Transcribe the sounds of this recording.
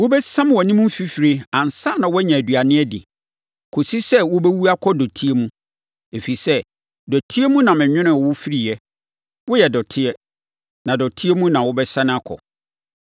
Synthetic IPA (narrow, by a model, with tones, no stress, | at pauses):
wʊ˦bɛ˦sã˦m˦wɔ˨nĩ˦mũ˦m̩˦fi˦fɾi˦ã˨n˨sa˦˨nã˨˦wɔ˦ɲã˨æ˨dɥa˨nɪ̃˦ɛ˦dɪ̰˨ | kʰo˨si˦sɛ˦wʊ˦bɛ˦wu˦a˦kʰɔ˦dɔ˨tʰi˦e˦mũ˦ | e˨fi˨i˨sɛ˦ | dɔ˨tʰi˦e˦mũ˦nã˨mɪ̃˨ɲᶣɪ̃˦nʊ̃˦˨wʊ˦fi˦ɾi˨jɛ˨ | wʊ˦jɛ˨dɔ˨tʰɪ˦ɛ˦ | nã˨dɔ˨tʰi˦e˦mũ˦nã˨wʊ˦bɛ˦sã˦ñ˦a˦kʰɔ̰˨